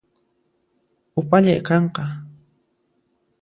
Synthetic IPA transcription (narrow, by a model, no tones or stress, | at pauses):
ʊpaʎajkɑɴqɑ